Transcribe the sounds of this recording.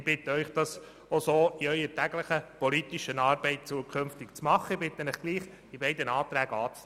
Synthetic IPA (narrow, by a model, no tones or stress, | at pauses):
ɪb̥ɪtəœʏχd̥ɑs | osoːiœʏəɾtæɡləχəpɔlit̪iʃənɑːɾbɛɪt̚t͡suəkʰʏnftɪkt͡smɑχːəɪb̥ɪt̪ːənəχɡ̥liːχ | d̥ibɛɪdənɑːt̪ɾæːɡ̥əɑːt͡s